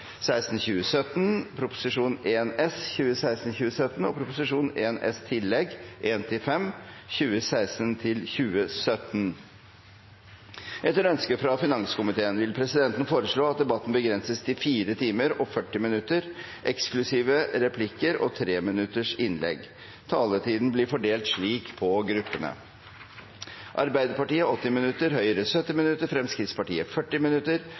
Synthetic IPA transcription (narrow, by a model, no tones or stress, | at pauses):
sæɪst̪n̩çʉːəsœt̪npʰɾʊpʊ̥sɪʂuːneːnɛsçʉːəsæɪst̪n̩çʉːəsœt̪n̩ɔpʰɾʊpʊsɪʂuːnḛːnɛ̰st̪ʰɪlːɛɡʔeːnt̪ʰɪfɛmçʉːəsæɪst̪ənt̪ʰɪlçʉːəsœt̪n | ʔɛt̪ːəɾœnskəfɾɑfɪnɑŋskʊmɪt̪ʰeːənʋɪlpʰɾɛsɪd̪ɛnt̪n̩foːɾəʂɭoːɑt̪̚d̪ɛbɑt̪ːn̩bəɡɾɛnsəst̪ʰɪfiːɾət̪ʰiːməɾɔfœʈːɪmɪnʉt̪ːəɾ | ʔɛksklʉsiːʋəɾɛpʰlɪkːəɾɔt̪ʰɾeːmɪnʉt̪ːəʂɪnlɛ̰ɡ | t̪ʰɑːlət̪ʰiːd̪n̩blɪɾfɔɖeːlt̪ʂɭiːkpʰɔɡɾʉpːənə̰ | ʔɑ̰ɾbæɪd̪əɾpɑʈiːəɔt̪ːɪmɪnʉt̪ːəɾhœʏəɾəsœt̪ːɪmɪnʉt̪ːəɾfɾɛmskɾɪt̪spɑʈiːəfœʈːɪmɪnʉt̪əɾ